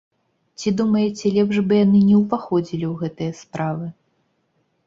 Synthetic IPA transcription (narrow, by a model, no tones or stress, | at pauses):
t͡sʲid̪umɐjɛt͡sʲɛlʲɛpʐbɨjanɨnʲɛwpaxɔd͡zʲilʲiwɣɛt̪ɨjɐspɾavɨ